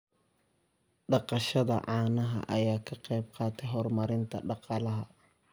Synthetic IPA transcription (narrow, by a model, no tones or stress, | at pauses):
ɖɑqɑʃɐðɐ̰ʕɑːnɐɦɐ̰ʔɐjaːkʰɐqɛjbqɑːt̪ʰɛjɦɔrmɐɾɪnt̪ʰɐɖɑqɑlɐɦɐ